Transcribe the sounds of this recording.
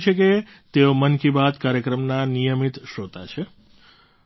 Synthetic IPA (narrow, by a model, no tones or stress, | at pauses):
t͡ʃʰeke | t̪eomənkibat̪kaɾjəkɾəmnanijəmit̪ʃot̪at͡ʃʰe